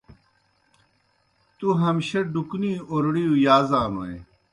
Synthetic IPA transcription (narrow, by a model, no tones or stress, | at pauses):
t̪uɦɐmɕɐɖukniːoɾɽijujaːzaːmɐ̰ḛ